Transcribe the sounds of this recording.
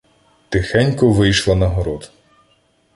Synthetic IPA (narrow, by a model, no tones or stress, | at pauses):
t̪ɪxɛnʲkɔʋɪjʃlˠɐnɐɦɔɾɔd̪